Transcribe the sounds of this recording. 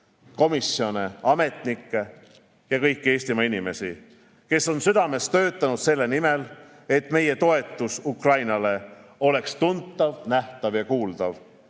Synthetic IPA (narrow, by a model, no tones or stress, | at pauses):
ko̞misːjo̞neɑme̞t̪nikːe̞ | jɑkɤjkːie̞ːsʲt̪imɑinime̞si | ke̞sːo̞nsyd̪ɑme̞st̪ø̞ːt̪ːˑɑnud̪̥se̞lːe̞nime̞l | e̞t̪me̞je̞t̪o̞e̞t̪ːˑusukrɑjnɑle̞o̞le̞kst̪unt̪ːˑɑvnæht̪ɑvjɑkuːld̪̥ɑv